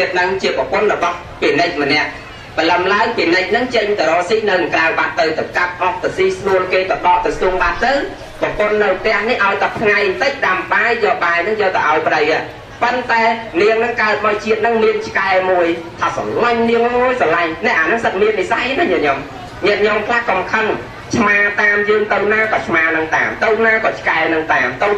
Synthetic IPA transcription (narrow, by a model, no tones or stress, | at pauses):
iət̪̚nɨŋt͡ɕiəpə̆pŏənrɔɓɑh | pinɨc̚mənɛ̆əʔ | pələmlaəŋpinɨc̚nɨŋt͡ɕəɲt̪əɾɔːsihnɨwnɨŋkrawɓaʔt̪ɨwt̪ɨwkap̚ʔɑh̚t̪asiːhsuəlkeːt̪ɑɗɑʔkrɑsuːəŋɓaːʔt̪ɨw | pɔ̆pŏənːɨwt̪ɛ̆əhnihʔaɔjt̪at̪ʰŋajnt̪ɨc̚ɗamɓajjɔːɓaɛnɨŋjəlt̪aʔaɔjpə̆ɗəwa | pənt̪aɛniəŋnɨŋkaət̪̚maɔjt͡ɕiət̪̚nɨŋmiənt͡ɕʰkaɛmuəjt̪ʰaːsɑ̰ŋŋəɲniəŋmuəjsɑlaɲnɛ̆əʔaːnɨŋsət̪k̚miənmisajnɨɲɛʔɲom | ɲɛəʔ̚ɲomkʰlahkɑmkʰən | t͡ɕʰmaːt̪aːmjɨːŋt̪ɨwnaːkɑːt͡ɕʰmaːnɨŋt̪a̰ːmt̪ɨwnaːkɑːt͡ɕʰkaɛnɨŋt̪aːmt̪əw